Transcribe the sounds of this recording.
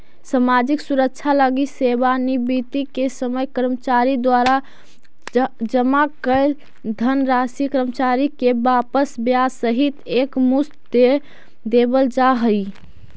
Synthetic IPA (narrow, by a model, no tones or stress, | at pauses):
səmad͡ʒiksuɾək̚t͡ʃʰaləɡisebanibit̪ikesəməjkəɾmət͡ʃaɾid̪waɾa | d͡ʒəmakəɪl | d̪ʱənɾasikəɾəmət͡ʃaɾikebapəsbjasəɦit̪ekmust̪d̪e | d̪ebəld͡ʒaɦəi